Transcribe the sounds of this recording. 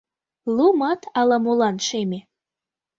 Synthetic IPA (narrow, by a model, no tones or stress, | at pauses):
lumɑt̪ʰɑlɑmulɑnʃeme